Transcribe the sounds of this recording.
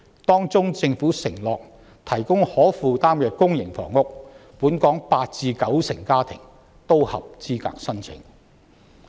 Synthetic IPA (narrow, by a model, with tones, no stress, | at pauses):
t̪ɔː˥ŋt͡sʊ˥ŋt͡sɪ˧ŋfuː˨˥sɪ˨˩ŋlɔː˨k̚ | t̪ʰɐ˨˩jkʊ˥ŋhɔː˨˥fuː˨t̪aː˥mjœː˨˩kːʊ˥ŋjɪ˨˩ŋfɔ̰ː˨˩ŋːʊ˥k̚puː˨˥nkɔː˨˥ŋpaː˧t̚t͡siː˧kɐ˨˥wsɪ˨˩ŋkaː˥t̪ʰɪ̰˨˩ŋ | t̪o˥whɐ̰˨p̚t͡siː˥ka̰ː˨˥k̚sɐ˥nt͡sʰɪ̰˨˥ŋ